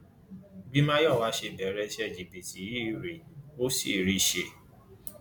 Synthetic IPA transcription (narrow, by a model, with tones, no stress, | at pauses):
bĩ˦mã˦jɔ˦˨wa˨˦ʃe˧bɛ˨˦ɾɛ˦ʃɛ˦˨d͡ʒi˨bi˨ti˨˦ji˦˨ɾe˨o˦si˦˨ɾi˦ʃe˧